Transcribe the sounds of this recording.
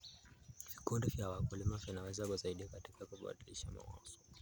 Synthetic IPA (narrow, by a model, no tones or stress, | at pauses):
vikundɛvjawakulimavjanawɛzakuzaiɗikatikakuɓa̰ɗiliʃama̰wa̰zɔ̥